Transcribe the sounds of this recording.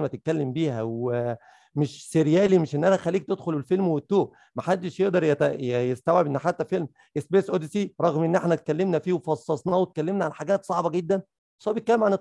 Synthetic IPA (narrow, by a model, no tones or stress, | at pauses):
mæt̪et̪̚kælːembiːhæwe | meʃseɾjæːlimeʃʔenːʔænæxælːiːk̚t̪ed̪xolelfelmwet̪ːoː | mæħad̪ːeʃjeʔd̪ɑɾˤjæt̪æjjest̪æwʕebʔenːħat̪ːæfelm | ʔesbeːsʔod̪siɾˤɑɣmʔenːʔeħnæt̪̚kælːemnæfiːwefɑsˤːɑsˤnɑwet̪̚kælːemnæʕanħaɡæːt̪sˤɑʕbɑɡed̪ːæn | sˤɑːbet̪̚kælːemʕane